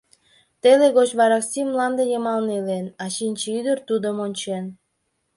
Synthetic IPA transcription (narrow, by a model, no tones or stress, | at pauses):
t̪eleɣot͡ɕβɑɾɑksʲimmlɑnd̪ejəmɑlnelenɑʃinʲt͡ɕeyd̪ərt̪ud̪əmonʲt͡ɕen